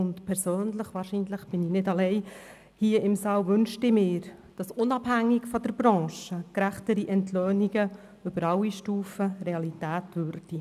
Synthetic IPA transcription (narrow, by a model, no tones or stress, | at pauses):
ʊntpʰɛɾsøːnləχʋɑːɾʃiːnləχb̥ɪninɪdɑlɛɪ | hiːəɪmsɑːwʋʏnʃtɪmɪːɾd̥ɑsʊnɑbhæŋːɪkfɔd̥əɾbɾɑ̃ːʃəkɾæχtəɾiʔɛntʰløːniɡə | ʏb̥əɾɑwiʃtuːfəreɑlitæːtʋʏɾd̥i